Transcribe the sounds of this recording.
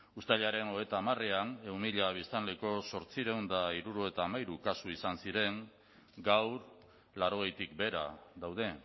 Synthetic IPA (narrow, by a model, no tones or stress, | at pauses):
ust̪aʎaɾe̞no̞et̪aːmareane̞wmiʎaβ̞ist̪anleko̞so̞ɾt͡siɾe̞wnd̪aiɾuɾoet̪aːmajɾukasuisansiɾe̞ŋ | ɡawɾ | laɾo̞ɣ̞e̞jt̪ik̚be̞ɾa̰ðawð̞e̞